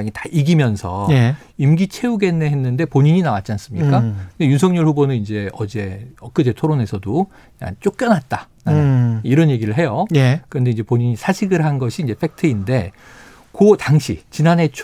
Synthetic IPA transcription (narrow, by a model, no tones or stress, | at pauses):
ŋitḁʔiɡimjʌnsʰʌe | imɡit͡ɕʰe̞uɡe̞nːeɦe̞nːɯnde̞poɲiɲinawat̚t͡ɕ͈ians͈ɯmɲik͈akɯnde̞junsʰʌŋɲʌɭhɸubonɯnind͡ʑe̞ʌd͡ʑe̞ʌk͈ɯd͡ʑetʰoɾone̞sʰʌdo | a̰t͡ɕ͈ok͈̚jʌnɦat̚t͈a | ɾaniɾʌnje̞ɡiɾɯɭɦe̞joekɯɾʌnde̞iɲd͡ʑe̞poɲiɲisʰaɕʰiɡɯɭɦanɡʌɕʰiːnd͡ʑe̞pʰe̞k̚tʰɯinde̞ | kotaŋɕʰḭt͡ɕinane̞t͡ɕʰ